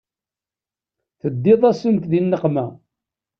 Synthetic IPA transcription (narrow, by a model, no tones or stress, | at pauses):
θəd̪ːɪðˤæsəmt̪ðinːəqmæ